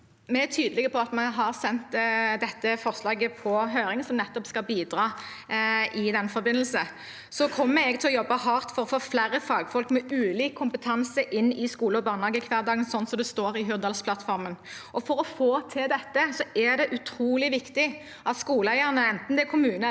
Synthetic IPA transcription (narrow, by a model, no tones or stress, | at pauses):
mɛæt̪ʰyːd̪əlɪɡəpʰɔɑt̪mɛɦɑʁsɛnt̪d̪ɛt̪ːəfɔʁslɑːɡəpʰɔɦøːɾɪŋəsɔmnɛt̪ːɔpskɑlbiːd̪ɾɑː | ʔɪd̪ɛnːfɔɾbɪnːl̩sə | sɔkʰɔmːəɛɡt̪ʰɪlɔjɔbːɑhɑʁt̪fɔɾɔfoːflæʁːəfɑːɡfɔlkmɛʉːliːkkʰːʊmpət̪ʰɑnsəʔɪnːɪskuːləɔbɑːʁnɑːɡəkʰʋæːʁd̪ɑːɡənsɔnːsɔmd̪ɛst̪oːɾɪɦʉʁd̪ɑːlspʰlɑt̪fɔʁmənʔɔfɔɾɔfoːt̪ʰɪld̪ɛt̪ːəsɔæʁd̪ɛʔʉt̪ʰɾuːlɪʋɪkt̪ɪ | ʔɑt̪skuːləæɪəʁnəɛnt̪n̩d̪ɛkʰʊmʉːnə